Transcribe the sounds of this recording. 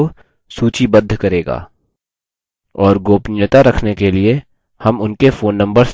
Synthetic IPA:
o | suːt͡ʃibɐd̪ʱːkɐɾeːɡa̰ː | ɔːɾɡoːpnjət̪aɾɐkʰnekelie | hɐmʊnkefoːnːɐ̃mbəɾs

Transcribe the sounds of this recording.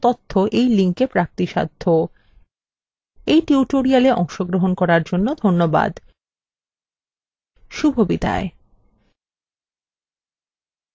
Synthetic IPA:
t̪ot̪ʰːoʔejliŋkepɾak̚t̪iʃa̰d̪ʱːo | ejʈiuʈoɾialeʔɔŋʃoɡɾoɦonkɔɾaɾd͡ʑonːod̪ʱonːoba̰d̪ | ʃubʱobit̪a̰e

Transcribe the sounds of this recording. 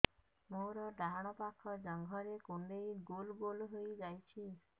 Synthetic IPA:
moɾɔɖaɦaɽ̃ɔpakʰːɔd͡ʒɔŋɡʱɔɾekuɳɖejɡolɡolɦojd͡ʒajt͡ʃʰi

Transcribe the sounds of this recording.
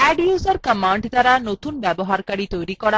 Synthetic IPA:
ɛɖjuzaɾkəmaɳɖd̪aɾanot̪unbɛboɦaɾkaɽit̪ojɾikɔɽa

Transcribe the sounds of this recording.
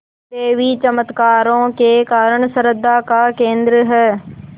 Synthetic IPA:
t̪eːʋiːt͡ʃəmət̪kaːɾõːkeːkaːɾəɳ̃səɾəd̪akaːkẽːnd̪ɾəɦɛː

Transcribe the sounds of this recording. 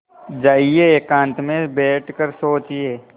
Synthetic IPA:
d͡ʒaːieekãːnt̪mẽbɛːʈʰkəɾsoːt͡ʃieː

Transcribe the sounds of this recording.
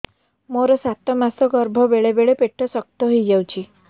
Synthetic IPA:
moɾɔsat̪ɔmasɔɡɔɾbʱɔbeɭebeɭepeʈʰːɔsɔk̚t̪ɔɦijd͡ʑawt͡ɕi

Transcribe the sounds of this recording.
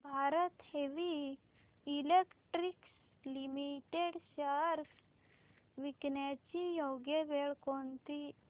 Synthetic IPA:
bʱaɾət̪heʋiː | lekʈɾiks | limiʈeɽɕəɾks | ʋiknjat͡ɕijoɡjebeɭkont̪i

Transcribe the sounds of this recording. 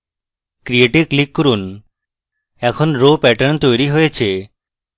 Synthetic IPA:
kɾieʈeklikːoɾun | ɛkʰonɾopɛʈənt̪ojɾiɦojet͡ɕʰe

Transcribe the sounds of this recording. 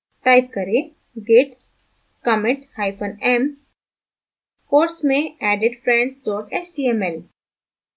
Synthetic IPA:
ʈaːɪp̚kɐɾe | ɡeʈ | kəmɪ̃ʈhaːɪpʰənɛm | koːɾsmẽɛːɖeɖfɾɛ̃ɳɖst̪ɔːʈeːt͡ʃɖiːɛmɛl

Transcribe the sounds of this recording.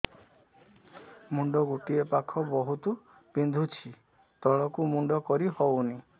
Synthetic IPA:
muɳɖɔɡuʈiepakʰɔbɔɦut̪u | pind̪ʱut͡ʃʰi | t̪ɔɭɔkumuɳɖɔkɔɾihɔwni

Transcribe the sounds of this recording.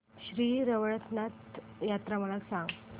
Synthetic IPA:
ɕɾiːɾəʋəɭət̪nat̪jat̪ɾaməlaksãŋɡ

